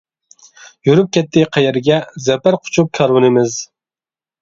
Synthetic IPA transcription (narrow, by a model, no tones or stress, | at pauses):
jyɾyp̚kʲɛt̪ʰːɪqʰɛjɛɾɡʲɛzɛpæɾqʰʊ̥t͡ʃʰup̚kʲʰɑɾwɨnɨmɪz